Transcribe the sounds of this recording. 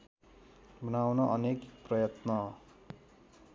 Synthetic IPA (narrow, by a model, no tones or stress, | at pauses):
bʱʌnawnʌʔʌnekprʌjʌt̪nʌ